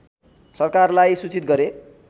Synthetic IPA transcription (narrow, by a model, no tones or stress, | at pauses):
sʌrkarlajsut͡sit̪̚ɡʌɾe